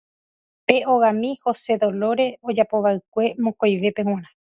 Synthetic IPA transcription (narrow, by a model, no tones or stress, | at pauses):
pe̞oɣãmĩho̞se̞ðo̞lo̞ɾe̞o̞d͡ʒapoʋaɨk̚ʷe̞mõkojʋe̞pew̃ãɾ̃ã